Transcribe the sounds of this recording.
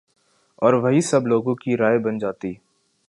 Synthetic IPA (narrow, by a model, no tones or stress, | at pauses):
ɔːɾʋɐɦisɐbloːɡõkiɾaːebɐnd͡ʒaːt̪iː